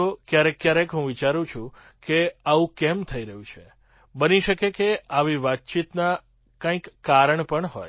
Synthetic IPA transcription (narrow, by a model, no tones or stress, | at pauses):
okjaɾekːjaɾekɦũʋit͡ʃaɾũt͡ʃʰũ | keaʋũkɛmt̪ʰəiɾəɦũt͡ʃʰe | bəniʃəkekeaʋiʋat̪̚t͡ʃit̪na | kãĩkːaɾəɳpəɳɦɔ̰j